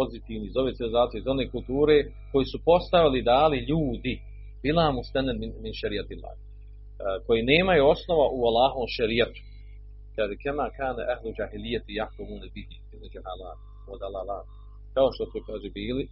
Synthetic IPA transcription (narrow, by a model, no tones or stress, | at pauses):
pozit̪iːʋnizo̞ʋeːt̪iʋilizaːt̪ijezaoneːkult̪uːɾe | ko̞jiːsupo̞st̪aʋilid̪aːliʎuːd̪i | bilaːmust̪ananmɪnminʃaɾiat̪ilːa̰ːh | ko̞jineːmajuo̞sno̞ʋaʔualˠɑːɦoːmʃaɾijat̪u̥ | kaːʒekɛmaːkaːnɛʔahlud͡ʒaːɦilijːat̪ijakomunabidit̪inɛd͡ʒuɦala̰ːt̪ | wa̰d̪alˠalaː | kao̞ʃt̪osukaːʒebiːli